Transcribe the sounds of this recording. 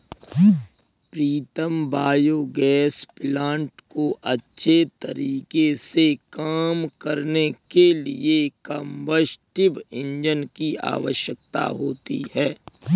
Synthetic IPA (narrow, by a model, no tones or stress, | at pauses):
pɾiːt̪əmbaːjoɡɛːsplãːɳʈkoʔɐtːʃʰet̪ɐ̰ɾiːkesekaːmkəɾnekelḭekə̃mbəsʈɪbɪ̃ɲd͡ʒənkia̰ːʋəʃjək̚t̪a̰ɦoːt̪ḭɦɛː